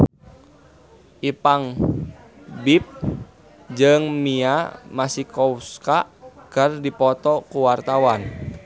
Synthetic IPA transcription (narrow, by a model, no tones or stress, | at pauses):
ʔipaŋ | bip̚ | d͡ʒɨŋmiamasihkɔwskakərdipɔt̪ɔkuwart̪awan